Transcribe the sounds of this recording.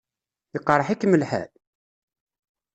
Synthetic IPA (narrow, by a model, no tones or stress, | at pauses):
iqːɾˤəħikːməlħæ̰